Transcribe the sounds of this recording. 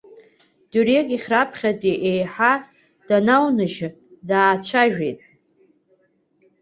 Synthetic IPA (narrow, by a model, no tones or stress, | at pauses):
d̥ureɡʲiχʲrapʰχʲatʼiʔejħa | d̥anawnɨʒ | daːt͡ʃʷʰaʒᶣejtʼ